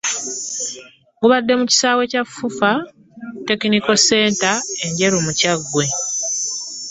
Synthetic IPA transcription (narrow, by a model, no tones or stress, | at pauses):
ɡuβadːe̞muci̥saːwe̞cafːufa | te̞kiniko̞se̞ːntae̞ɲɟe̞ɾumucaɡːwe̞